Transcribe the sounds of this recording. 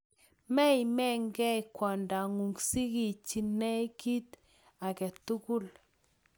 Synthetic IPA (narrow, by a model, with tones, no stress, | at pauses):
mɛ˦i˨mɛ˦ŋɡɛ˦jkwɔ˨nda˨ŋu˨ŋɡsi˦ɡi˨t͡ʃi˨nɛ˦ki˦t̪ | a˨kɛ˨t̪u˦ku˦l